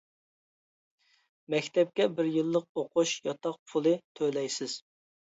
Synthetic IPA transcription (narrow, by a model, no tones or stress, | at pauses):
mɛkʲt̪ʰɛp̚kʲɛbɪɾjɨlˠːəq̚oqʰʊʃjɑt̪ʰɑq̚pʰʊlˠɨt̪ʰølɛjsɪz̥